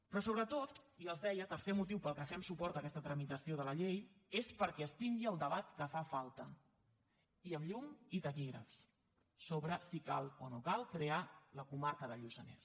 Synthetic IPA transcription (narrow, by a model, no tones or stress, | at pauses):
pɾɔsoβɾət̪ot̪iəlˠzðɛjət̪əɾsɛmut̪̬iwpəlˠkəfɛmsupɔɾt̪əkɛst̪ət̪ɾəmit̪əsioðələʎejespəɾkɛːst̪iŋɡiəlˠd̪əβat̪kəfafalˠt̪ə | iəmʎumit̪əkiɣɾə̰fs | soβɾəsika̰lˠanokalˠkɾealəkumaɾkəðəʎusənɛ̰s